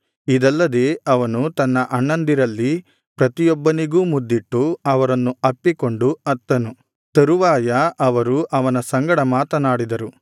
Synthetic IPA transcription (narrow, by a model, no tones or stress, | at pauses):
id̪ɐlːɐd̪e̞ːɐʋɐnut̪ɐnːɐʔɐɳːɐnd̪iɾɐlːi | pɾɐt̪ijɔbːɐniɡuːmud̪ːiʈːuɐʋɐɾɐnːuɐpːiko̞ɳɖuɐt̪ːɐnu | t̪ɐɾuʋaːjɐʔɐʋɐɾuʔɐʋɐnɐsɐŋɡɐɽɐmaːt̪ɐnaːɽid̪ɐɾu